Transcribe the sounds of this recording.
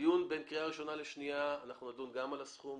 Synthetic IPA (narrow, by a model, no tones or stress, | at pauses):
junbenkʁiaʁiʃo̞naleʃniaːnaχnunadunɡamalasχum